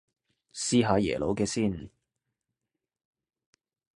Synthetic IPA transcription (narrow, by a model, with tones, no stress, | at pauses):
siː˥ɦaː˨˧jɛ̰ː˨˩lo˨˧˥wkɛː˧siː˥˩n